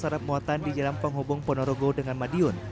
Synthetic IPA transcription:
saɾap̚mɔat̪andid͡ʒalampəŋɦubʊŋpɔnɔɾɔɡɔdəŋanmadiʊn

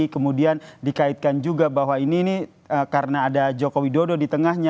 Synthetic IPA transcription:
ikəmudiandikait̪̚kand͡ʒuɡabaɦwainini | əkaɾənaːdad͡ʒokowidododit̪əŋahɲa

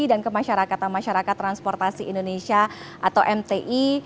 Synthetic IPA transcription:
idankəmaʃaɾakat̪anmaʃaɾakat̪ːɾanspɔrt̪asiindoneʃia | ʔat̪awʔɛmt̪eʔi

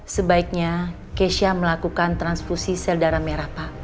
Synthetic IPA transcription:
səbaik̚ɲa | kɛʃiaməlakukant̪ɾansfusisɛldaɾameɾapa

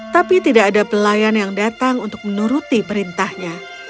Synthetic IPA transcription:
t̪apit̪idaʔːdapəlajanjaŋdat̪aŋunt̪ʊk̚mənuɾut̪ipəɾint̪ahɲa

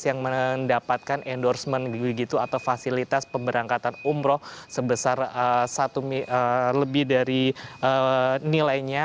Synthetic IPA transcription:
jaŋməndapat̪̚kanʔɛndɔrsmənəɡit̪uat̪awfasilit̪aspəmbəɾaŋkat̪anumɾɔsəbəsarəsat̪umiələbɪhdaɾiənilajɲa

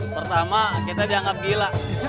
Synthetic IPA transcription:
pərt̪amakit̪adiaŋap̚ɡila

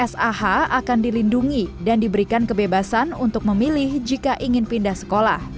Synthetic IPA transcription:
ɛsaɦaakandilinduŋidandibəɾikankəbebasanunt̪ʊk̚məmilɪhd͡ʒikaʔiŋɪnpindahsə̥kola̰h

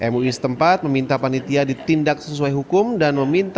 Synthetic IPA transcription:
ʔɛmuisə̥t̪əmpat̪̚məmint̪apanit̪iadit̪indak̚səsuajɦukʊmdanməmint̪

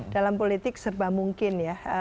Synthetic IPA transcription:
d̥alampolit̪ɪk̚sərbamuŋkɪnjaə

